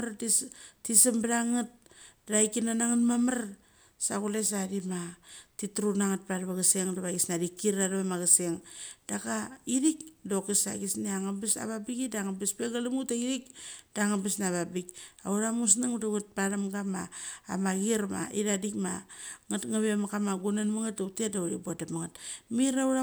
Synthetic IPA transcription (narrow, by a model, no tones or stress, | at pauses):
ɾatisisambɾaŋat̚ɾaikinanaŋatmamar | sakules̬adimatitɾunaŋat̚paɾaβaɣaseŋdaβaɡisnadikːiɾaɾaβamaɣaseŋd̥akaiɾikdokesa̰ɡisniaŋabisa̰βabikidaŋabespeɡalamutaiɾikdaŋabesnaβabikauɾamus̬naŋudaɡat̚panamɡama̰ːmaɡiɾma̰iɾadikmaŋatŋaβemakamaɡunanmaŋatatedauɾibuadamaŋatmiɾauɾa